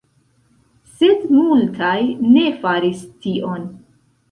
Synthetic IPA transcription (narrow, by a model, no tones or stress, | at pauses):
se̞dmultʰajne̞faɾistiʔo̞n